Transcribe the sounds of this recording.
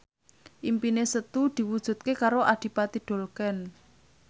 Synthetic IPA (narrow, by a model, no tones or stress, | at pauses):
ʔimpinesət̪ud̪̥i̤wud̥ʒ̥ṳt̪̚kekaɾoʔad̥i̤pat̪iɖ̥o̤lkɛn